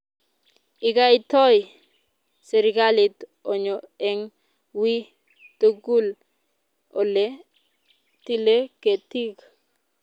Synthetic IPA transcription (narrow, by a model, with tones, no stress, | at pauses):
ɪ˨ɡa˦ɪ˦tɔ˦j | se˨ɾɪɡalɪ˨tɔ˨ɲɔɛ˦ŋ | wi˦ | t̪o˦ɡu˦l | ɔ˨le˦ | ti˦le˦ke˨ti˦ɡ